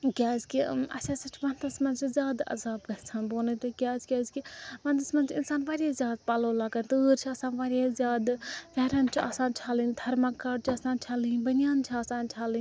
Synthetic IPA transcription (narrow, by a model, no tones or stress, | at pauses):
ɡʲaːzkiɐ̰sasɐt͡ʃʰʋɐnt̪ɐsmɐnt͡ʃizʲaːd̪ɐ̰zaːbɡɐtt͡sʰaːnboːnɨt̪ɨɡʲaːzɡʲaːzkiʋɐnt̪ɐsmɐnt͡ʃʰinsaːnʋaːɾʲaːzʲjaːd̪̚paːloːlaːɡɐnt̪ɨːɾt͡ʃʰiaːsaːnʋaːɾʲeːzʲjaːd̪fɛːɾɐnt͡ʃʰia̰ːsaːnt͡ʃʰaːlind̪ʱɐɾmakaːɖ̚t͡ʃʰiaːsaːnt͡ʃʰaːlinbɐnʲjaːnt͡ʃʰiaːsaːnt͡ʃʰaːlin